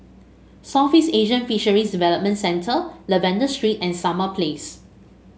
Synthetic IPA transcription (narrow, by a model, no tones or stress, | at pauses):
safiseʒə̃nfiʃəɹisdivɛləp̚mə̃ntsɛ̃ntʰələvɛ̃ndəstɹitɛ̃nsaməpʰles